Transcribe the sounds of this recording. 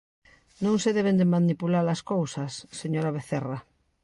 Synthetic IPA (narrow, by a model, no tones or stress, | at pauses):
nõŋseðeβ̞end̪emanipulaɾlaskowsɐsːeɲoɾaβ̞eθera